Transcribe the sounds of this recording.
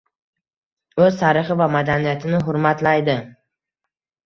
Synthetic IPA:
ɵzt̪ʰaɾɪχɪvamad̪anijat̪ʰɪnɪɦʊɾmat̪lajd̪ɪ

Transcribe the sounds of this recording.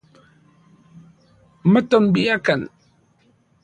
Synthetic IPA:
mətɔnbijakan

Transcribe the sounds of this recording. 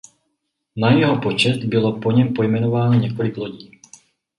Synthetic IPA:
najɛɦɔpɔt͡ʃɛd̪bilɔpɔɲɛmpɔjmɛnɔʋaːnɔɲɛkɔliɡlɔɟiː

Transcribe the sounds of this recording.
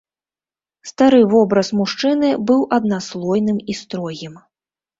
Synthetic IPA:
st̪aɾɨvɔbɾɐsmuʂt͡ʂɨnɨbɨwʔɐd̪̚naslˠɔjnɨmist̪ɾɔɣʲim

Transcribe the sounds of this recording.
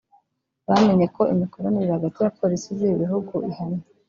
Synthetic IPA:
βame̞ɲe̞ko̞imikoɾoniɾihaɡatijapoɾisiziβiɦuɡuihani

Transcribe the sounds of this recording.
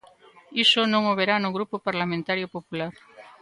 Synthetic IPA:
isonõŋoβeɾanʊɣɾupopaɾlamẽnt̪aɾjopopulaɾ

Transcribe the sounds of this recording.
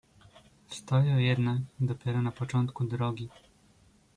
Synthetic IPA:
fst̪ɔjɔ̃jɛd̪nakd̪ɔpʲjɛɾɔnapɔt͡ʂɔnt̪kud̪ɾɔɡʲi

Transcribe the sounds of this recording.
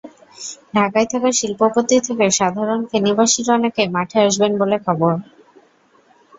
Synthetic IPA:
ɖʱakajt̪ʰakaɾʃilpopot̪it̪ʰekeʃad̪ʱaɾonfenibaʃiɾɔnekemaʈʰeaʃbenbolekʰɔboɾ

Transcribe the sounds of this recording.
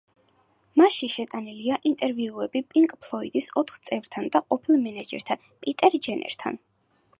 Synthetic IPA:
maʃiʃɛt̪ʼaniliaʔint̪ʼɛɾviuɛbipʼiŋkʼpʰlˠɔid̪isɔt̪ʰχt̪sʼɛvɾt̪ʰand̪aqʼɔpʰilˠmɛnad͡ʒɛ̰ɾt̪ʰan | pʼit̪ʼɛɾd͡ʒɛnʔɛ̰ɾt̪ʰa̰n

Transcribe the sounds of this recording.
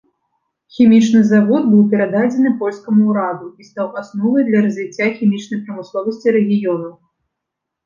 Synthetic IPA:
xʲimʲit͡ʂnɨzavɔd̪̚bɨwpʲɛɾad̪ad͡zʲɛnɨpɔlʲskɐmuɾad̪uist̪awʔasnɔvɐjd̪lʲɐɾɐzʲvʲit͡sʲːaxʲimʲit͡ʂnɐjpɾɐmɨslˠɔvɐsʲt͡sʲiɾɛɣʲijɔnɐw

